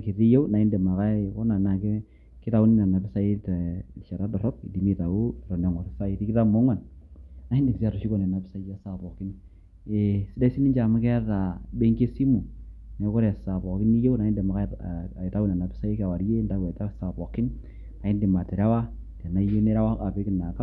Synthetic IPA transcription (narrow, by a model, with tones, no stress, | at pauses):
ke˨ti˦je˦wna˨ɪ˦nde˨ma˨ka˦kɔ˦na˨na˨k | kɪ˦ta˦ʊ˦ni˦na˨na˨pɪ˦sa˦i˦tʃa˨ɾa˦dɔ˨ɾɔ˦k̚ḭ˨di˨mi˦˨ta˨u˦˨ɾɔ˨na˨ŋɔ˨ɾsa˦i˦ti˦kɪ˦ta˦mo˦ŋwa˨nna˨i˦nde˨ksi˦a˨ɾu˨ʃi˦kɔ˨ne˨na˨pɪ˦sa˦i˦ja˦sa˨pɔ˨kɪ˦n | e˨sɪ˦da˦i˦si˦ni˦ɲd͡ʒa˨ma˦kɛ˦ta˨be˦ŋke˦si˦mu˨ne˨kɔ˦ɾsa˨pɔ˨kɪ˦ni˦je˦wna˨i˦nde˨ma˨ka˦a˨i˨ta˦wu˦na˨na˨pɪ̥˦sa˦i˦ka˨wa˨ɾje˦nda˦ɡɔ˨ta˦sa˨pɔ˨kɪ˦n | na˨ɪ˦ndi˨ma˨tɛ˨ɾa˦wa˦ | ta˨na˨˦je˦ne˦ɾa˦wa˦a˨be˦kɪ˨na˨ka˦